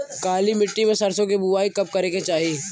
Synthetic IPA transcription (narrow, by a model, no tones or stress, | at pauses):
kaːlimɪʈːimẽsɐɾsõk̬ibuʋaːikɐp̚kɐɾeket͡ʃaːɦieː